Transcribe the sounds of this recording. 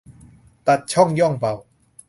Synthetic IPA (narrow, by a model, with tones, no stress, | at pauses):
t̪a˨˩t̪̚t͡ɕʰɔ˥˩ŋjɔ˥˩ŋpa˨˩w